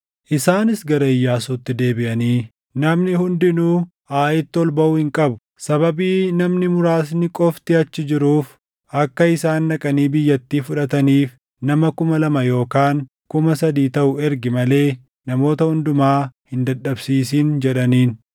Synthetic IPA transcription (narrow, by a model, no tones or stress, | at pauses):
ʔɪsaːnɪsɡɐɾɐɪjːaːsuːt̪ːɪd̪e̞ːbɪʔɐniː | nɐmnɪhʊnd̪ɪnuː | ʔaːʔɪt̪ːɪɔlbɐʔʊhɪŋkʼɐbʊ̥ | sɐβɐbiːnɐmnɪmʊɾaːs̬nɪkʼɔft̪ɪɐt͡ʃːɪd͡ʒɪɾuːf | ʔɐkːɐɪsaːnːɐkʼɐniːbɪjːɐt̪ːiːfʊᶑɐt̪ɐniːf | nɐmɐkʊmɐlɐmɐjo̞ːkaːŋ | kʊmɐsɐd̪iːt̪ɐʔʊɛɾɡɪmɐle̞ː | nɐmo̞ːt̪ɐhʊnd̪ʊmaːhɪnd̪ɐɗːɐbsiːs̬iːnd͡ʒɛᶑɐniːn